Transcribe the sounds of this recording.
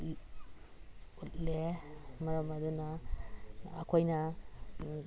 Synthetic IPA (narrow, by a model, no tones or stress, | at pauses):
utlemɐɾɐmɐdunɐ̰ː | kʰojnɐ